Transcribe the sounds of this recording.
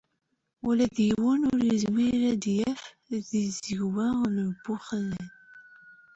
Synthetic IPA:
wælæðjəwənʊɾizmiɾæd̪jæf | ðizəʝwæləbːʊχlən

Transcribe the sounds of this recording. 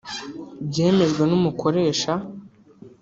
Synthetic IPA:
bɟe̞ːme̞ʒɡwenumukʰo̞ɾe̞ːʃa

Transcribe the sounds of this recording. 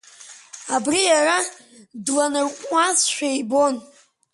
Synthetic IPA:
abrijara | dlanɨrkʷʼmʷasʃᶣajibo̞n

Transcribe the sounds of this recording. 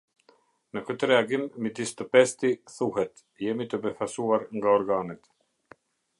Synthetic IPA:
nəkøt̪ɾɛaɡimːit̪ist̪əpɛst̪iθuhɛt̪ | jɛmit̪əbɛfasuaɾŋɡaɔɾɡaːnɛt̪

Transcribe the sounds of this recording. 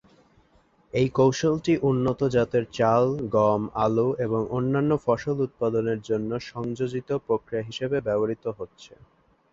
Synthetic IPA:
ejkowʃolʈiʔunːot̪od͡ʑat̪eɾt͡ɕalɡɔma̰lueboŋʔonːanːofɔʃolut̪̚pad̪oneɾd͡ʑonːoʃɔŋd͡ʑod͡ʑit̪opɾokɾiaɦiʃebebɛboɾit̪oɦotːɕʰḛ

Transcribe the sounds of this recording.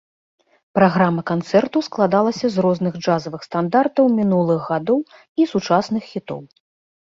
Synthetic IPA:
pɾaɣɾamːɐkant̪sɛrt̪usklˠad̪alˠɐsʲɐzrɔznɨɣd͡ʐazɐvɨxst̪and̪art̪ɐwmʲinulˠɨɣːad̪ɔw | isut͡ʂasn̪ɨxːʲit̪ɔ̰w

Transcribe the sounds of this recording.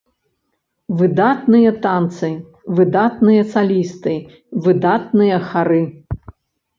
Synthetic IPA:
vɨd̪at̪nɨjɐt̪ant̪sɨ | vɨd̪at̪nɨjɐsalʲist̪ɨ | vɨd̪at̪̚nɨjɐxaɾɨ

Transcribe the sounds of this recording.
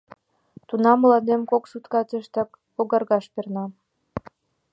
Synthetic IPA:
t̪unɑmlɑd̪emkoksut̪kɑt̪eʃt̪ɑk | oɣɑrɣɑʃpernɑ

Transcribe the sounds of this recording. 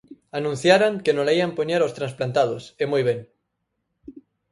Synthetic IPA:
anũnθjaɾaŋkenolaiampoɲaɾaost̪ɾansplant̪að̞osemujβeŋ

